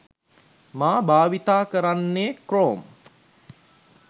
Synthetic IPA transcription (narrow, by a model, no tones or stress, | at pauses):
maːbaːʋit̪aːkəɾanːeːkroːm